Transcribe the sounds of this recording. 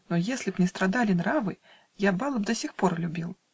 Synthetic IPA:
nɔjesʲlʲipnʲɛst̪ɾad̪alʲinɾavɨ | jabalˠɐb̚d̪asʲixpɔrlʲubʲilˠ

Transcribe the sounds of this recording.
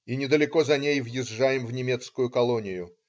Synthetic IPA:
inʲɪd̪əlʲɪko̞zɐnʲejvjɪʐːajɪmvnʲɪmʲe̞t̪skʊjʊkɐlˠonʲɪjʊ

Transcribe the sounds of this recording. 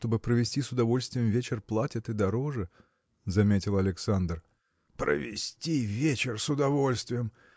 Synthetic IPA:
t̪o̞bɨpɾəvʲɪsʲtʲisʊd̪ɐvo̞lʲst̪vʲɪjɪmvʲet͡ɕɪrplˠatʲɪt̪ɨd̪ɐɾo̞ʐɨ | zɐmʲetʲɪlˠɐlʲɪksand̪r | pɾə̰vʲɪ̰sʲtʲivʲet͡ɕɪrsʊd̪ɐvo̞lʲst̪vʲɪjəm

